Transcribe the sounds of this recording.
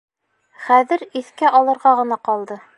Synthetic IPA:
χæðɘɾiθkæʔɒlˠɤ̆ɾʁɑʁɤ̆nɑqɒlˠd̪ɤ

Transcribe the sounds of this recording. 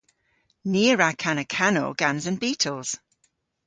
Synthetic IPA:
niːəɹakʰanəkʰano̰ɡ̥ãnzə̃nbiːˑtʰl̩ˠz̥

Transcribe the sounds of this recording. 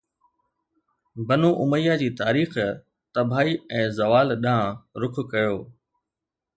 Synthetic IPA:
bɐnoːʔʊməjad͡ʑiːt̪aːɾiːx | t̪ɐbʱaːiɛ̃ːzɐʋaːlɗãɾʊkʰkɐjoː

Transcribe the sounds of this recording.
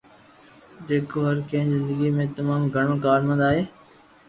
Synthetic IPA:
d͡ʑeːkoːɦəɾkẽːzɪ̃nd̪əɡimẽt̪ɐmaːmɡʱəɳ̃okaːɾmə̃nd̪aːɦeː

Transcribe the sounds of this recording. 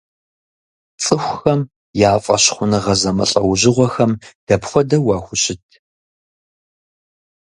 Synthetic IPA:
t͡sʼɨxʷxɐm | jaːfʼɐ̰ɕχʷʊnɨʁɐzɐmɨɬʼɐwʑɪʁʷɔxɐmd̥ɐpxʷɔdɐwɑːxʷʊɕɪtʰ

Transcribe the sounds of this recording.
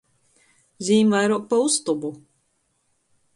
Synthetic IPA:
ziːmvajɾuɔk̚paust̪ubu

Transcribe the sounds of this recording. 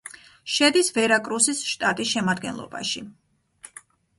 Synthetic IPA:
ʃɛd̪isvɛɾakʼɾusisʃt̪ʼat̪ʼisʃɛmad̪ɡɛnlˠɔ̰ba̰ʃi

